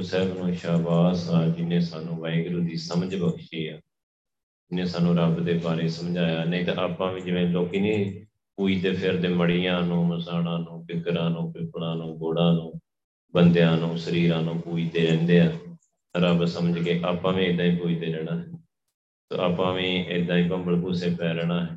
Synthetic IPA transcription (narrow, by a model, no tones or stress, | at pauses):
sɛːbnũːʃaːbaːsaːd͡ʒɪnːẽːsaːnũːʋaːɪɡɾuːd̪iːsəməd͡ʒbəkʰʃeːaː | d͡ʒɪnːẽːsaːnũːɾəbd̪eːbaːɾeːsəmd͡ʒaːjaːnəĩːt̪ã̰ʔaːpãːʋĩːd͡ʒɪʋẽːloːkiːnĩː | puːiːt̪eːpʰɪɾd̪eːməɽiːãːnũːməsaːɽãːnũːpɪkɾãːnũːpɪpɽãːnũːɡoːɽãːnũː | bənd̪ejãːnũːsəɾiːɾãːnũːpuːiːt̪eːlɛ̃ːnd̪eːaː | ɾəbsəməd͡ʒkeːʔaːpãːʋĩːɪd̪ãːĩːpuːiːt̪eːlɛːɽ̃aːɦɛ | so̰ːa̰ːpãːʋĩːʔɪd̪ãːĩːpəmbəɽbuːseːpɛːɾɛːɽaːɦɛː